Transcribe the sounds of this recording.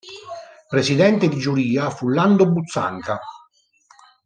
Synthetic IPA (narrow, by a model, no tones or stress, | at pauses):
pɾesid̪ɛnt̪ed̪id͡ʒuɾiːafulːand̪obut̪sːa̰ŋka